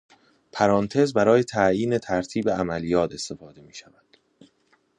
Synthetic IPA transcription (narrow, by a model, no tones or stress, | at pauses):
pʰæɾɒːnt̪ʰe̞zbæɾɒːje̞t̪ʰæjiːne̞t̪ʰæɾt̪ʰiːbe̞æmælijɒːt̪ʰe̞st̪e̞fɒːd̪e̞miːʃævæd̪̥